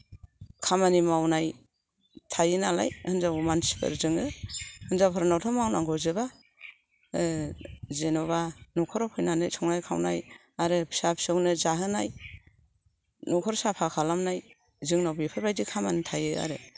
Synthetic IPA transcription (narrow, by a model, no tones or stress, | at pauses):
kʰamanimawnaj | tʰajɯnala̰jhɯnzawmansi̥pʰɯ̰ɾzɯŋɯhɯnzawpʰɔɾnawtʰɔmawnaŋɡɔzɯba | zenɔβanɔkʰɔɾɔpʰɯjnanɯjsʰɔŋnajkʰa̰wna̰j | aɾɯpʰi̥sapʰi̥sɯwnɯzaɦɯnaj | nɔkʰɔɾɔsapʰakʰalamnaj | zɯŋnawbipʰɯɾbajdikʰamanitʰajɯa̰ɾɯ